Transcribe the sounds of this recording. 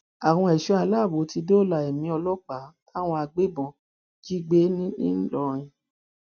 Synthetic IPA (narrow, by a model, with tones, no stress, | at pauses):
a˨w̃ɔ̃˧˦ɛ˨ʃɔ˨˦a˧la˦˨bo˨˦ti˧do˦˨la˧˨e˨mĩ˨˦ɔ˧lɔ˦k͡pa˨˦ta˦˨w̃ɔ̃˧a˧ɡ͡be˦bɔ̃˨ | d͡ʒi˦ɡ͡be˦nĩ˦nḭ̃˦n̩˦lɔ˧˨ɾ̃ĩ˧